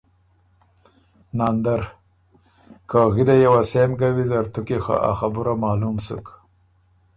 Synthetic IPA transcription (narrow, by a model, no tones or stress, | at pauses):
naːnd̪aɾ | kaɣid̪ajawasemɡawizaɾt̪ukixa̰ʔa̰xabuɾamɑːlumsṵk